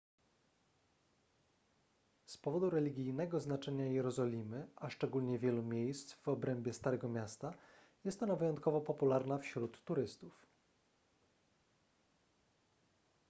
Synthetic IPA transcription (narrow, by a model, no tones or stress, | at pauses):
spɔvɔd̪uɾɛlʲiɡʲijnɛɡɔznat͡ʂɛɲajɛɾɔzɔlʲimɘʔaʂt͡ʂɛɡulɲɛvʲjɛlumʲjejst̪vɔbɾɛmbʲjɛst̪aɾɛɡɔmʲjast̪a | jɛst̪ɔnavɘjɔnt̪̚kɔvɔpɔpulaɾnafɕɾut̪ːuɾɘst̪uf